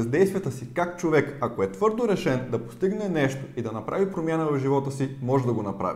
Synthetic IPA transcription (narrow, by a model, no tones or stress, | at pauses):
zd̪ɛjst̪vijət̪əsikakt͡ʃovɛkɐkoɛt̪vɤɾd̪oɾɛʃɛnd̪ɐpo̥st̪iɡnɛnɛʃt̪oid̪ɐnɐpɾʔa̰vipɾomʲjanəvɐvʒivɔt̪əsimɔʒɛd̪ɐɡonɐpɾa̰vi